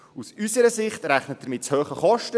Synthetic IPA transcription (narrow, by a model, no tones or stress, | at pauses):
usysəɾəsɪχtɾæχnət̚d̥əɾmɪtshøːχəχɔʃtə